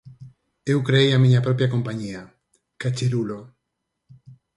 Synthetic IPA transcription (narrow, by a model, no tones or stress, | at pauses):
ewkɾeejamiɲapɾɔpjakompaɲia | kat͡ʃeɾulo